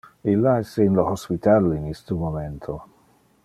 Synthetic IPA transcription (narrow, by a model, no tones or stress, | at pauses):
ilːaɛseinlohospit̪alinist̪umoment̪ʰo